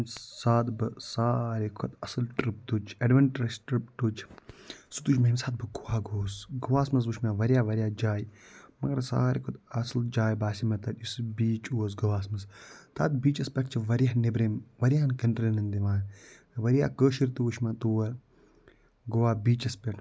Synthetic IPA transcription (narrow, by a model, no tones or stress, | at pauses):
msaːt̪bɨsaːɾekʰot̪ɐsɐlʈɾip̚t̪ut͡ʃʰɐɖʋɐɳʈɾɐsʈɾipt̪ut͡ʃʰsut̪uːt͡ʃʰmɐimsaːt̪̚bɨɡowaːɡoːsɡɐʋaːsmɐs̬ʋuʃmaʋɐɾijaːʋɐɾjaːd͡ʒaːjmɐɡɐɾsa̰ːɾekʰot̪ɐsld͡ʒaːjbaːsimɐt̪ɐt̪isbiːt͡ʃuɐs̬ɡɐʋaːs̬mɐst̪a̰ːt̪̚biːt͡ʃɐspʲɐʈʰt͡ʃʰiʋɐɾjɐɦnebɾeːmʋɐɾijaːnkɐnʈɾenɐnd̪iʋaːn | ɐʋɐɾja̰ːkəːʃiɾt̪uʋuʃmat̪uːwɐɾ | ɡowaːbiːt͡ʃɐspʲɐʈʰ